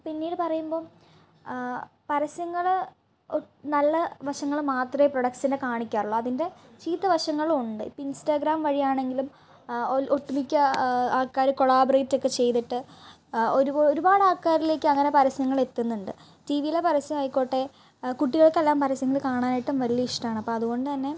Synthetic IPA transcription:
pinːiːɽɨpɐrɐjumbo̞ː | pɐɾɐsjɐŋːɐɭ | nɐlːɐʋɐʂɐŋːɐɭmaːt̪rɐjeproɽɐksinekaːɳikʲːaːruɭːɐɐðinde̞t͡ɕiːt̪ːɐʋɐʂɐŋːɐɭuuɳɖɨḭpːoinstaːɡɾaːmʋɐɻijaːɳe̞ŋɡilum | ʔoʈːumikʲːɐaːkːaːɾɨko̞ɭaːbɐrejtːo̞kːe̞t͡ɕe̞jt̪iʈːɨ | oɾuoɾubaːɽɨaːkːaːɾile̞ːkʲːɨɐŋːɐne̞pɐɾɐsɐŋːɐɭe̞t̪ːunːuɳɖɨ̰ | tiʋijilepɐɾɐsjɐmɐjkːo̞ːʈːe̞ | kuʈːiɣɐɭkːelːaːmpɐɾɐsjɐŋːɐɭkaːɳaːnajiʈːumʋɐlijɐiʂʈɐmaːɳɨɐpːoːɐðuɣo̞ɳɖɨt̪ɐnːe̞

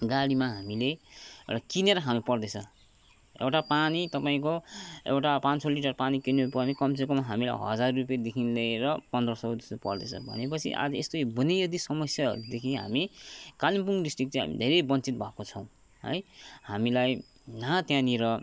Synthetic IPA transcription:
ɡaɽimaɦamileḛwʈakineɾʌɦamupʌrd̪et͡sʰʌ | ḛwʈapanit̪ʌpaĩkoḛwʈapãnsoliʈʌrpanikinepʌrnekʌmsekomaɦamila̰jɦʌ̰d͡zarːupjad̪ekʰinleɾʌpʌnd̪rʌsʌɾud̪est̪opʌ̰rd̪et͡sʰʌ̰bʱʌ̰nepʌt͡sʰḭʔa̰d͡zʌḛst̪ojobunejʌd̪isʌmʌsjaɦʌ̰ɾud̪ekʰiɦa̰mikalimpuŋɖisʈrik̚t͡sʌ̃jɦa̰mḭd̪ʱeɾebʌnt͡sit̪̚bʱʌkot͡sʰʌw̃ | ɦʌ̰jhamilaj | nat̪jãniɾʌ

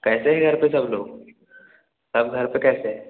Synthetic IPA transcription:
kɛːseɦɛɡʱəɾpes̬əbloːɡ | səbɡʱəɾpekɛːseɦe

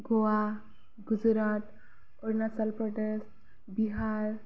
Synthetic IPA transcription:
ɡoa | ɡud͡zɾat̪ | oɾnasalpɾɔʈesʈ | biɦaɾ

